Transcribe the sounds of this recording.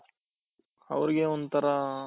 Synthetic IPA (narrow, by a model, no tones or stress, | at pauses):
ɐ̰ʋɐɾiɡeond̪ut̪ʰɐɾɐ